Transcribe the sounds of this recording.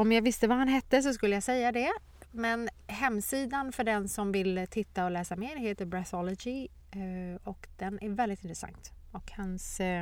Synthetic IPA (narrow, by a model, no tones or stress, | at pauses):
ɔmjaɡvɪst̪əvahanɦɛt̪ːəs̬ɔs̬kɵlːəjasɛjːad̪ɛ | mɛnɦɛmːsiːd̪anfœɖɛnsɔmvɪlt̪ʰɪt̪ːaɔlɛːsameːɾɦeːt̪əɾbɾɛθɔlɔd͡ʒɪ | ɔkd̪ɛnʔæɾvɛld̪ɪt̪ɪnt̪ɾɛsa̰ŋt̪ | ɔkhans